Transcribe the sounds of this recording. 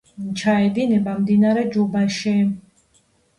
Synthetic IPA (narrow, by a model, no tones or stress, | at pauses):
t͡ʃʰaɛd̪inɛbamd̪inaɾɛd͡ʒubaʃɛ